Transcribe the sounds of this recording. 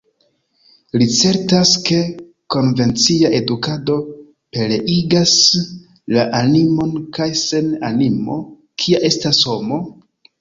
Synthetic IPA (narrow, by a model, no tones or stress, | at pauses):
lit͡se̞ɾtaske̞ | ko̞nve̞nt͡siaʔe̞dukado̞ | pe̞le̞ʔiɡas | laʔanimo̞nkajse̞na̰nimo̞̰ | kʰiaʔe̞stasho̞mo̞